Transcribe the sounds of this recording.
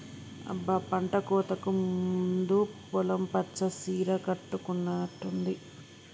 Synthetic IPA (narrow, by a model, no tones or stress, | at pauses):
ɐ̰bːɐpɐɳʈɐkɔːt̪ɐkumund̪upɔlɐmpɐt͡ʃɐsiːɾɐkɐʈːukunːaːʈːund̪i